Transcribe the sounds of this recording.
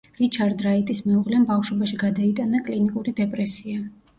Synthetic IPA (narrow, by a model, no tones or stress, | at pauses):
ɾit͡ʃʰaɾd̪ɾait̪ʼismɛuʁlɛmbafʃwɔbaʃiɡad̪ait̪ʼanakʼlinikʼuɾid̪ɛpʼɾɛsia